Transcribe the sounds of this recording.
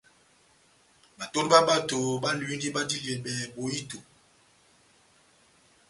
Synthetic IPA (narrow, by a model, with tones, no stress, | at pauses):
ba˨to˦dba˦ba˦to˨ba˦lwi˦ndi˦ba˦di˦li˨ɛ˨bɛ˨bo˨ji˦to˨